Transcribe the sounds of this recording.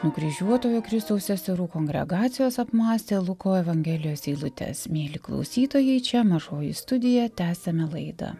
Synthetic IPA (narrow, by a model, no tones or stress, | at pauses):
nʊɡɾʲiʒʲuɔt̪oːjukɾʲɪst̪ɐʊsʲɛsʲɛɾuːkoːŋʲɡʲɾʲɛ̰ɡɑːt̪sʲɪjoːsɐpmɑːsʲt̪ʲeːlˠʊkoːɛʋɐŋʲɡʲɛːlʲɪjoːsiːlˠʊt̪ʲɛ̰smʲeːlʲiklˠɒ̰ʊsʲiːt̪oːjɛɪt͡ʃʲɛmɐʒoːjɪ̰st̪ʊd̪ʲɪjɛt̪ʲæːsʲɛmʲɛlˠɐɪd̪ɐ̰